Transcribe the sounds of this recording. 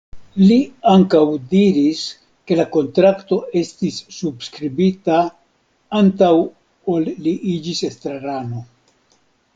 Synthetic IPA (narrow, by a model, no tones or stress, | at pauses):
liaŋkawdiɾis | ke̞lako̞ntɾakto̞e̞stisːubskɾibita | antaw | o̞lːiʔid͡ʒise̞stɾaɾano̞